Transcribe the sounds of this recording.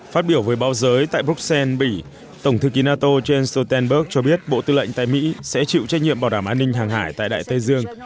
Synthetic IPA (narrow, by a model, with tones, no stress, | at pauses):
faː˦˥t̚ɓi˧˩əwvəː˨˦jɓaː˨˦wzəː˨˦jt̪a̰ː˧˨jbu˦˥k̚sɛ˧nɓi˧˩ | t̪ə˧˩wŋ͡mt̪ʰɨ˨˧ki˨˦naː˧t̪o˧t͡ɕe˧nst̪o˧t̪ɛ˧nɓə˦˥k̚t͡ɕɔ˧ɓi˦˥ət̚ɓo̰˧˨t̪ɨ˧lə̰˧˨jŋt̪a̰ː˧˨jmḭ˧˥sɛ̰˧˥t͡ɕḭ˧˨wt͡ɕɛ˦˥t̚ɲḭ˧˨əmɓaː˨˩wɗaː˧˩mʔaː˧nːï˧ŋ̟ɦaː˨˩ŋɦaː˧˩jt̪a̰ː˧˨jɗa̰ː˧˨jt̪ə˧jzɨ˧əŋ